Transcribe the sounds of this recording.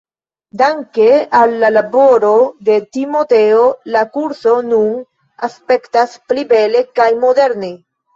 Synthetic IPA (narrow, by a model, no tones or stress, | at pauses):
daŋkealːalabo̞ɾo̞d̪e̞timo̞teolakuɾso̞nun | aspe̞ktasplibe̞le̞kajmo̞de̞ɾne̞